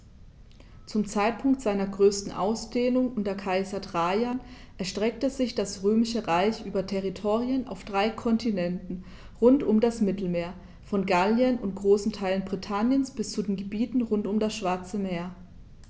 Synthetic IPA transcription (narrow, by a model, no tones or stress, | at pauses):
t͡sʊmt͡saɪt̚pʰʊŋktz̥aɪnɐɡʁøːstn̩ʔa̰ʊsd̥eːlʊŋʔʊntɐkʰaɪzɐdʁajan | ʔɛɐʃtʁ̥ɛk̚təzɪçd̥asʁøːmɪʃəʁaɪçʔyːbɐtʰɛʁitʰoːʁiənʔa̰ʊfd̥ʁaɪkʰɔntʰinɛntn̩ | ʁʊntʊmdasmɪtl̩meːɐ | fɔnɡaljənʊnt̚ɡ̥ʁoːsn̩tʰaɪlənbʁitʰanjənsb̥ɪst͡sudeːnɡəbiːtn̩ʁʊntʊmdasʃv̥aɐt͡səmeːɐ